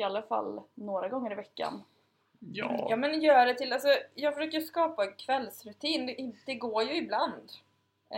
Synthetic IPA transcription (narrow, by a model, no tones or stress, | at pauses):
ɪalːafa̰lːnoːɾaɡɔŋːəɾɪvɛkːa̰n | jjɑːmɛnjœːɖɛt̪ʰɪlalsɔjɑːɡfœʂøːkaskɑːpakʰvɛlːsɾɵt̪ʰiːnd̪ɛd̪ɛɡoːjɵɪbland̪